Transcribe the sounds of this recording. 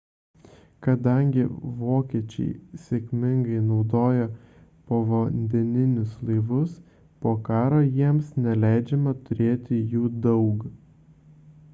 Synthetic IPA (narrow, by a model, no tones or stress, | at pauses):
kɐd̪ɐˑŋʲɡʲɪʋoːkʲiɛt͡ʃʲɛ̰ɪsʲeːkʲmʲɪŋɡɐɪnɒʊd̪oːjɛ | poːʋonʲd̪ʲɪnʲɪnʲʊslˠɐɪʋʊs | poːkɑːɾoːjiɛmsnʲɛlʲæˑɪd͡ʒʲɛmɐt̪ʊɾʲeːt̪ʲɪjuːd̪ɐʊk